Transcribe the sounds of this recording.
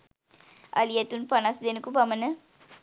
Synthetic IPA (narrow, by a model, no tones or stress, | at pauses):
ɐ̰lijet̪unpanasd̪enəkubamənə